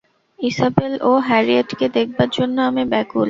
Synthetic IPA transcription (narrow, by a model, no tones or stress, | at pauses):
isabeloɦɛɾieʈked̪ek̚ʰbaɾd͡ʑonːoamebɛkul